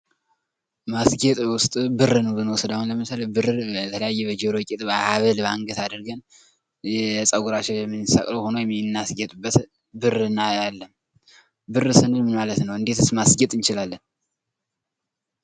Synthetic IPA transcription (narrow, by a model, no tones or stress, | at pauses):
masɡet̪ʼwʊst̪ʼbɨrːɨnəwbɨnwɔsəd̪ahunləmɨt̪ʰːaləbɨrət̪ʰələjajːɛbəd͡ʒeɾokʼet̪ʼbəaβəlbaŋɡət̪ad̪ɨɾɡən | jɛsʼəɡuɾat͡ʃɪjɛmːɨnːɨsa̰kʼləho̞nojɛmːinːasɡɛt̪ʼubːət̪ | bɨrɨnajalːəm | bɨrɨsɨnɨlmɨnmalət̪nəwʔɨnd̪e̞t̪ʰɨsmasɡɛt̪ʼɨnt͡ʃɪlalːən